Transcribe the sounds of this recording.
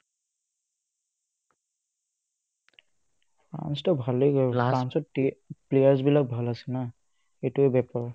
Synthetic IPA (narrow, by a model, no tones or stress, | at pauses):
a̰nstɔbʱalekansɔt̚plejaɹzbilak̚bʱalasɛna | etuɛbɛpɔɹ